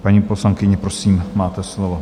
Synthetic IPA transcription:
paɲiːposlaŋkɪɲɛpɾosiːmmaːt̪ɛslovo

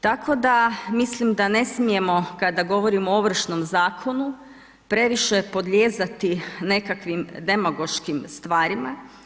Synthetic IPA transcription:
t̪akʰo̞d̪amislimd̪ane̞smije̞mo̞kad̪aɡo̞ʋo̞ɾimooʋr̩ʃnomzaːkʰo̞nu | pɾe̞ʋiʃepo̞d̪ʎʲe̞ːzat̪ine̞kakʋimd̪e̞maɡo̞ʃkimst̪ʋaːɾima

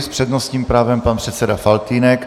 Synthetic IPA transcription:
spr̥ɛd̪nost̪ɲiːmpɾaːvɛmpanpr̥ɛt̪sɛdafalt̪iːnɛk

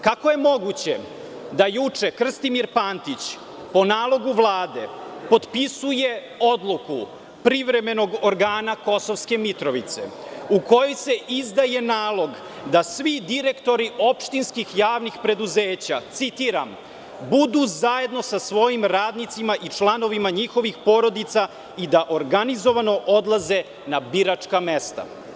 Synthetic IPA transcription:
kako̞je̞mo̞ɡut͡ɕe̞ | d̪ajut͡ʂe̞kr̩st̪imiɾpaːnt̪it͡ɕ | po̞naːlˠo̞ɡuʋlˠaːd̪e̞̰po̞d̪pisuje̞ | o̞d̪lˠuku | pɾiʋɾe̞me̞no̞ɡoɾɡaːnako̞so̞ʋske̞mit̪ɾo̞ʋit̪se̞̰uko̞jojse̞ʔizd̪aje̞naːlo̞ɡ | d̪asʋid̪iɾe̞kt̪o̞ɾiʔo̞pʃt̪inskixjaːʋnixpɾe̞d̪uzeːt͡ɕat̪sit̪iɾam | bud̪uzaje̞d̪no̞sasʋo̞jimɾaːd̪nit̪simaʔit͡ʂlˠano̞ʋimaɲixo̞ʋixpo̞ɾo̞d̪it̪sa | id̪aʔoɾɡanizo̞ʋano̞ʔo̞d̪lˠaze̞ | nabiɾat͡ʂkamest̪a̰

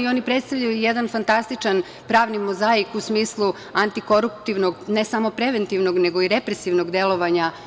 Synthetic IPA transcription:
io̞ːnipɾet̪st̪aʋʎʲajujed̪anfant̪ast̪it͡ʃan | pɾaːʋnimozaikusmiːslˠu | ant̪iko̞ɾupt̪iʋnoɡnesamo̞pɾeʋent̪iʋnoɡneɡo̞iɾepɾesiʋnoɡd̪e̞lˠo̞ʋaɲa

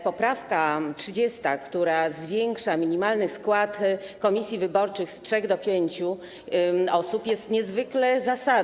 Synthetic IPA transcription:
pɔpɾafkatʂɘd͡ʑɛst̪akt̪uɾazvʲjɛŋkʂamʲiɲimalnɘskwat̪ | kɔmʲisʲjivɘbɔɾt͡ʂɘxstʂɛɣd̪ɔpʲjeɲt͡ɕu | ɔsupjɛst̪ɲɛzvɘklɛzasad̪

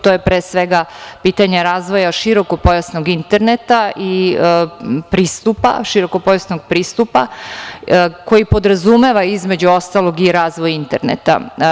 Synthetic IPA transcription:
t̪ojepɾesʋeɡapiːt̪aɲe̞ɾaːzʋo̞jaʃiɾo̞ko̞po̞jasnoɡint̪e̞ɾnet̪aʔi | pɾiːst̪upa̰ʃiɾo̞ko̞po̞jasnoɡ̚pɾiːst̪upa | ko̞jipo̞d̪ɾazume̞ʋaizme̞d͡ʑuo̞st̪alˠo̞ɡiɾaːzʋojint̪eɾnḛt̪a̰

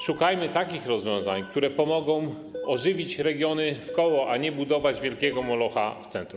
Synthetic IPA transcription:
ʂukajmɘt̪akʲixɾɔzvʲjɔ̃w̃zaɲk̚t̪uɾɛpɔmɔɡɔ̃w̃ | ɔʐɘvʲit͡ɕɾɛɡʲjɔnɘfkɔwɔʔaɲɛbud̪ɔvad͡ʑvʲjɛlkʲɛɡɔmɔlɔxa̰ft̪sɛnt̪ɾum

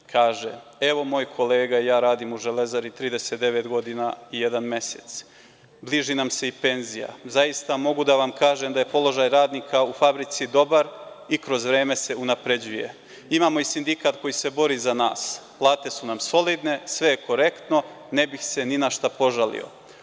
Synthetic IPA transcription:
kʰaːʒee̞ʋo̞mo̞ːjkʰo̞leːɡaijaːɾaːd̪imuʒele̞zaɾit̪ɾiːd̪e̞set̪̚d̪e̞ʋe̞t̪ɡo̞d̪inaije̞d̪anme̞sḛt̪s | bliʒinamse̞ipe̞nzija̰zajist̪amo̞ɡud̪aʋamkaːʒemd̪aje̞po̞lˠo̞ʒajɾaːd̪niːkʰaufabɾit̪sid̪o̞baɾ | ikɾo̞zʋɾe̞ːme̞se̞unapɾe̞d͡ʑuje̞̰ | imaːmo̞isind̪ikat̪ko̞jise̞bo̞ɾiːzana̰ːsplˠaːt̪e̞sunamso̞lid̪ne̞sʋe̞jeko̞ɾe̞kt̪no̞ | ne̞bixse̞ninaʃt̪apo̞ʒalḭo̞̰

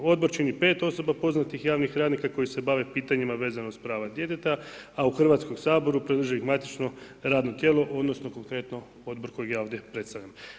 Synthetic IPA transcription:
o̞d̪̚bo̞ɾt͡ʃinipe̞ːt̪o̞so̞bapo̞znat̪ixjaːʋnixɾaːd̪nikako̞jise̞baʋe̞piːt̪aɲimaʋe̞ːzanost̪pɾaːʋad̪je̞t̪e̞t̪aauxr̩ʋaːt̪sko̞msaːbo̞ɾupɾed̪r̩ʒiixmat̪it͡ʃno̞ | ɾaːd̪no̞t̪je̞ːlo̞ʔo̞d̪no̞sno̞ko̞ŋkɾe̞t̪no | o̞d̪̚bo̞ɾko̞jeɡjaːo̞ʋd̪je̞pɾe̞t̪st̪aʋʎam

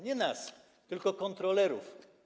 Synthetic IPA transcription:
ɲɛnas | t̪ɘlkɔkɔnt̪ɾɔlɛɾṵf

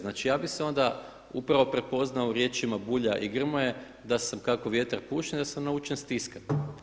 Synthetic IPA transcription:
naːt͡ʃijaːbixseo̞nd̪a | upɾaʋopɾe̞po̞znaoɾje̞t͡ʃimabuʎaʔiɡr̩moje | d̪asamkako̞ʋje̞t̪aɾpuːʃed̪asamnaut͡ʃenst̪iska

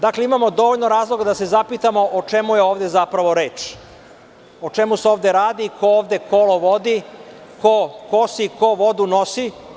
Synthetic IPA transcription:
d̪akleimamo̞d̪o̞ʋoʎnoɾaːzlˠoɡad̪ase̞zapit̪amo̞ʔot͡ʂe̞muje̞oːʋd̪e̞zapɾaʋo̞ɾe̞ːt͡ʃ | ot͡ʃe̞museoːʋd̪eɾaːd̪ikʰooːvd̪e̞kʰolo̞ʋod̪i | kokosiko̞ʋo̞d̪uno̞si

